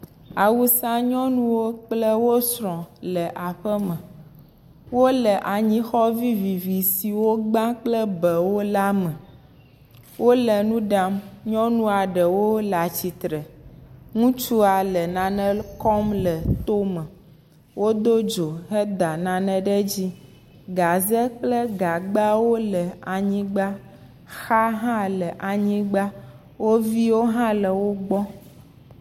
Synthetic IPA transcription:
a˨wu˦sã˦ɲɔ̃˦nũ˦wo˦k͡plə˦wo˦sɾɔ̃˨lə˨ʔa˨ɸə˦mə̃˨ | wo˦lə˨ʔa˨ɲĩ˦xɔ˦vi˦vi˨vi˨si˨wo˦ɡ͡bã˦k͡plə˦bɛ˨wo˦la˦mɛ̃˨ | wʔo˦lə˨nũ˦ɖa˦mɲɔ̃˦nũ˦a˨ɖə˨wo˦la˨t͡ɕi˨t̪ɾə˨ŋũ˦t͡ʃu˦a˨lə˨nã˨nə̃˦kɔ˦mlə˨t̪o˦mɛ̃˨ | wʔo˦d̪o˦d͡ʒo˨ɦə˦d̪a˨nã˨nɛ̃˦ɖɛ˦d͡ʑi˦ | ɡa˨zɛ˦k͡plə˦ɡa˨ɡ͡ba˦wo˦lə˨a˨ɲĩ˦ɡ͡ba˦ | xa˦ɦã˦lə˨ʔa˨ɲĩ˦ɡ͡ba˦ | wo˦vi˦wo˦ɦã˦lə˨wo˦ɡ͡bɔ˦

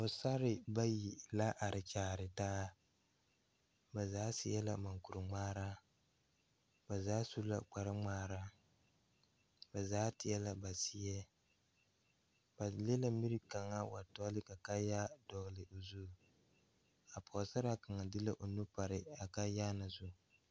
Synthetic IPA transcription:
o˨sa˦ɾɪ˨ba˦ji˨la˦ʔa˨ɾʔɪ˨t͡ʃaː˨ɾɪ˨taː˦ | ba˨zaː˦si˦ɛ˦la̰˨ma˨ŋku˨ɾʊ˨ŋ͡maː˦ɾa˦ | ba˨zaː˦su˦la̰˦k͡pa˨ɾɪ˦ŋ͡maː˦ɾa˦ | ba˨zaː˦tɪ˦ɛ˦la˨ba˨si˦jɛ˦ | b̥a˨le˦la˦mi˦ɾɪ˦ka˨ŋa˦wa˨tɔ˦lɪ˦ka˨ka˦ja˦dɔ˨ɣlɪ˨ʔo˨zu˦˨ | a˨pʰɔ˨sa˦ɾa˦ka˨ŋa˨dɪ˦la˦ʔo˨nu˦pa˨ɾɪ˦a˨ka˦jaː˦na˨zu˦

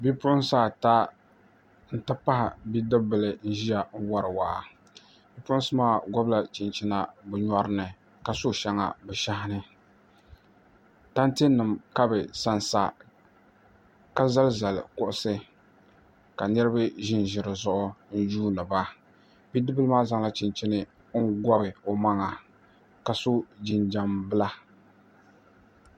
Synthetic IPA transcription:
bi˦pʊ˦ʔʊ˦saː˦˨ta˦ | n̩˦ta˦pa˦hɪ˨bi˦dɨ˦bɨ˨lɨ˨n̩˦ʒi˦ja˨n̩˦wa˦ɾɨ˨wa˨ʔa˨ | bi˦pʊ˦ʔʊ˦sɨ˦maː˦˨ɡɔ˦bla˨t͡ʃɪ˨nt͡ʃɪ˦na˦bɨ˨˦ɲɔ˦ɾɨ˦nɨ˨ | ka˨sʊ˦˨ʃɛ˦ŋa̰˨bɛ˨ʃa˦ɦɪ˦nɨ˦ | ta˦nte˦nːɨ˨mka˦bɛ˨sa˦n˨sa̰˦ | ka˦za˦lza˨lɪ̰˨kʊ˦ʔʊ˦sɨ˦ | ka˨nɨ˦ɾɨ˦bɨ˦ʒɪ˦n˨ʒɪ˨ɾɨ˨zʊ˦ʔʊ˦n̩˦d͡ʒuː˦lɨ˨ba˦ | bi˦dɨ˦bɨ˦lɨ˦maː˦za˦ŋla˦t͡ʃɪ˨nt͡ʃɪ˦nɨ˦ | ŋ̩˦ɡɔ˦bɨ˨o˨ma˦ŋa˨ | ka˨so˦d͡ʒɪ˨nd͡ʒa˦mbɨ˦la˦

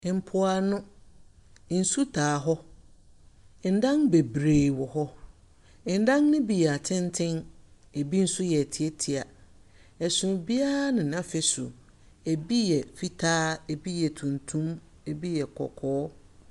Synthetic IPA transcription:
m̩˨pʰʊ˦a˨nʊ̃˦ | n̩˨su˦tʰaː˨ɦɔ˦˨ | n̩˨dã˦nbe˨bɾe˨wɔ˨ɦɔ˦˨ | n̩˦dã˦nː˦ɪ̃˦bi˨ja˨tʰɪ̃˦ntʰɪ̃˦n | e˨bi˦n̩˦sʊ˦jɛ˨tʰi˨e˦tʰi˨a˨ | ɛ˨sʊ̃˨bi˦a˦a˦nɪ̃˨nã˦fɪ˦sʊ̰˨ | e˨bi˦jɛ˨fi˦tʰaː˦e˨bi˦jɛ˨tʰũ˨ntʰũ˦m | e˨bi˦jɛ˨kʰɔ̰˨kʰɔː˦

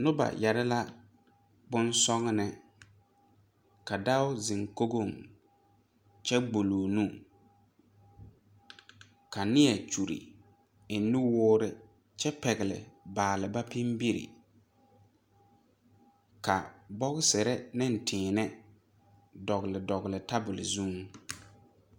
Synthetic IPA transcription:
nʊ˦ba̰˨jɛ˨ɾa˦la˦ | bʊ˦nsɔ˦ŋ˦nɪ˨ | ka˨da˦ʊ˦zɪ˨ŋko˦ɡo˦˨ŋ | t͡ʃɛ˦ɡ͡bo˨loː˨nũ˦˨ | ka˨nɪ˦ɛ˨t͡ʃu˨ɾḭ˨ | ɪ˨nːu˦wʊː˦ɾɪ˦ | t͡ʃɛ˦pɛ˨ɣɪ˨lɪ̰˨baː˨lɪ˨ba˦pɪ˦mbi˦ɾɪ̰˨ | ka˨bɔ˦ɣsɛ˨ɾɛ˦nɪ˦n̩˨tʰɪ̃ː˨nɛ˦ | dɔ˨ɣlɪ˨dɔ˨ɣlɪ˨ta˦bʊ˨lɪ̰˨zu˦ŋ

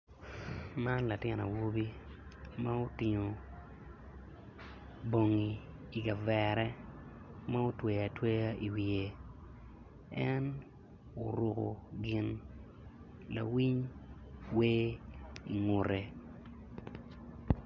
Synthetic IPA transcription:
ma˦nla˨tjɪ˦na̰˨wo˦bi˦ma˦o˦tɪ˨ŋo˨ | bo˨ŋiː˨ | ɡa˨vɛ˨ɾɛ˦ | ma˦o˦twe˨ja˨twe˦ja˦i˨wi˨e˨ | ɛ˦n | o˨ɾu˨ko̰˨ɡɪ˦n | la̰˨wi˦ɲ | weː˦i˨ŋʊ˨ɾe˨

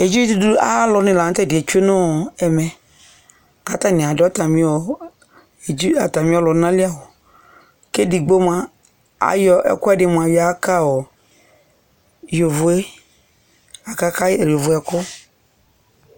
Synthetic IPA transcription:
e˨d͡ʒi˦t̪du˦a̰˦lʊ˨nɪ̃˨la˨˦t̪ɛ˦˨dɪ˨e˨t͡ʃe˦nʊ̃˦˨ɛ˨mɛ˨ | a˨t̪a˦˨nɪ̃˨a˨dɔ˦t̪a˨mĩ˦ɔ˨ | e˨d͡ʒi˦a˨t̪a˨mĩ˦ɔ˦lʊ˨˦nã˦lɪ˦a˨wɔ˨ | ke˦di˨ɡ͡bo˦mã˦ | a̰˨jɔ˦ʔɛ̰˦˨kʊ˦a˦dɪ˨m˨a˨jɔ˨a˦ka˦wɔ˨ | jo˨vʊ˨e˦ | a˨ka˦ka˦˨lo˨vʊ˨ɛ˨kʊ˦

